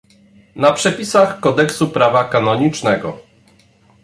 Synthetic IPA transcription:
napʂɛpʲisaxkɔd̪ɛksupɾavakanɔɲit͡ʂnɛɡɔ

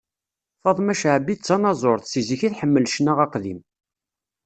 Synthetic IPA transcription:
fɑðˤmæʃʕbit͡sːɑnɑzˤoɾˤθsiziçiθħəmːəlʃənæʁɑqðḭm

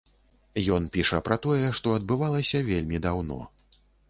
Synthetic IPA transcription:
jɔn̪pʲiʂɐpɾɐt̪ɔjɛʂt̪ɔɐd̪̚bɨvalˠɐsʲɐvʲelʲmʲid̪awnɔ̰

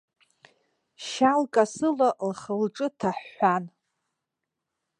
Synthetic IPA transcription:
ʃalkʼasɨlalχəlʈ͡ʂʼɨtʰaħːʷan

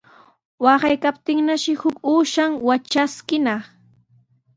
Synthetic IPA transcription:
wɑɢɑjkap̚t̪ɪŋnaʃɪhʊkuːʃaŋwat͡ʃaskɪnɑχ

